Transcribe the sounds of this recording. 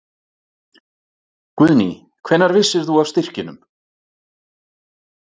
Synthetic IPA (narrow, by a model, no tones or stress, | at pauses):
kvʏðnḭ | kʰv̥ɛnːaɾvɪsːɪɾ̥θuavst̪ɪr̥cɪnʏm